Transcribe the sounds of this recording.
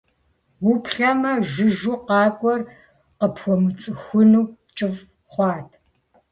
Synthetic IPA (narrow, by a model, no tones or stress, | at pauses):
wʊpɬɐmɐʒɪʒuːqɑːkʷʼɔr | qəpʰxʷɔmɨt͡sʼɨxʷʊnuː | t͡ʃʼɪv | χʷɑːtʰ